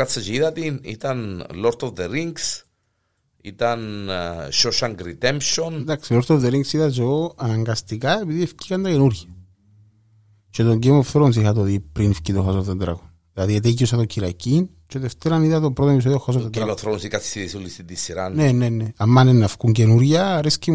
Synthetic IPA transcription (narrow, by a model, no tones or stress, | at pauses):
at͡sːɐt͡ʃeiðɐt̪inḭt̪ɐnloɾt̪ovðeɾiŋɡs | ḭt̪ɐnʃoʃaŋɡɾit̪emʃonnd̪aksiloɾt̪ovðeɾiŋɡsiðɐzooanɐŋɡɐst̪ikae̞piðiefcikɐnd̪ɐcenuɾʝɐ | t͡ʃe̞t̪oɲɟemofθɾons̬ixat̪oðipɾinfcit̪oxasovðed̪ɾa̰konðilaðiet̪̬eciosɐt̪ociɾacin | t͡ʃeðeft̪eɾɐniðɐt̪obɾot̪onepisoðioxas̬ovðeɾamofθɾonsikat̪si̥siðisolist̪it̪isːiɾanne̞ne̞nːeamːanenːafkuɲɟenuɾʝɐɾesci